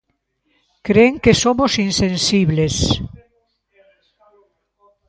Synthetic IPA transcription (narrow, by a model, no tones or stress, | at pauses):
kɾeŋkesomosinsẽnsiβles